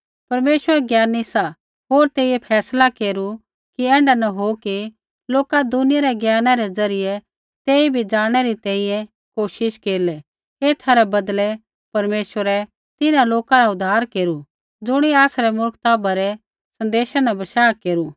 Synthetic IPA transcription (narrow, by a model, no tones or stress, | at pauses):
pɐɾmeːʃwəɾɛɡjaːnːisa | ɦoːɾt̪eːjepʰɛːslakeːɾu | kiɛ̃ːɳɖanɐɦoki | loːkad̪ʊnɪjaɾɛɡjaːnãɾɛd͡zɐɾɪjɛ | t̪eːibʱid͡zaːɽ̃ɛɾit̪ɛ̃ːĩjɛ̃ | koːʃɪʃkeːlɛ | eːt̪ʰaɾɛbɐd̪lɛ | pɐɾmeːʃwəɾɛ | t̪ɪnãloːkãɾaʊd̪ʱaːɾkeːɾu | d͡zʊɽ̃iaːsɾɛmʊɾkt̪aːbaɾɛ | sɐ̃nd̪eːʃanabɐʃaːkeːɾu